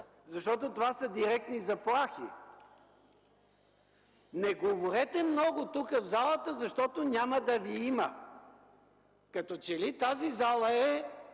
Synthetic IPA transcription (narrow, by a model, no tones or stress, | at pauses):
zɐʃt̪ɔt̪ot̪ovasɐd̪iɾɛk̚t̪nizɐplˠaxi | nɛɡovoɾɛt̪ɛmnɔɡʊt̪ukəvzalˠət̪əzɐʃt̪ɔt̪onʲaməd̪ɐviimə | kɐt̪ɔt͡ʃɛlit̪azizalˠəɛ